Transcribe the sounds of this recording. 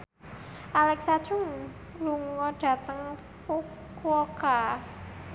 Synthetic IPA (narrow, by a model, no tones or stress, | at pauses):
ʔalɛksad̥t͡ʃʊŋ | luŋɔɖ̥a̤t̪əŋ | fuk | wɔka